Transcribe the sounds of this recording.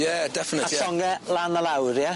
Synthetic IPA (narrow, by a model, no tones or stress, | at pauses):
jɛdɛfənəajsɔŋɛlanəlawɾja